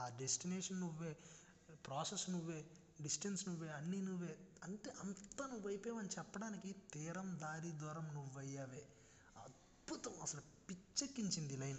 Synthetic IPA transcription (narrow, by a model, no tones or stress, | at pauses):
aːɖesʈineːʂɐnːuʋːeː | pɾaːsesnuʋːeː | ɖisʈensnuʋːeːɐnːinuʋːe̞ːɐɳʈeːʔɐnt̪ɐnuʋːɐjpɛːʋɐnit͡ʃɛpːɐɽaːnikit̪iːɾɐmd̪aːɾid̪ɔːɾɐmnuʋːɐjːaːʋeː | ɐ̰d̪̚ | but̪ɐmɐsɐlɐ | pit͡ʃːɐkːiɲt͡ʃind̪ilɐjn